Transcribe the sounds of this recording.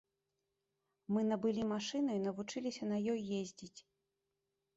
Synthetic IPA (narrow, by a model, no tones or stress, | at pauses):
mɨnɐbɨlʲimaʂɨnɐinɐvut͡ʂɨlʲisʲɐnɐjɔjːezʲd͡zʲit͡sʲ